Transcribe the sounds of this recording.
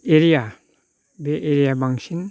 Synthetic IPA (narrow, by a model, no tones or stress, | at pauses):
eɾija | beʔeɾijabaŋsin